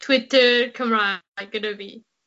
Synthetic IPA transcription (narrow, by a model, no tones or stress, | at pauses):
tʰw̥ɪtə˞kʰʌ̃mɹaɪɪɡ̥ɨnəbi